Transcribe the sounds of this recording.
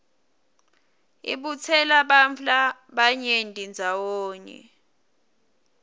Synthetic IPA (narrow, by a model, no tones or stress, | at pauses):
ḭɓut͡sʰɛlaɓamɬaɓaɲendʱind͡zʱawoːɲɛ̰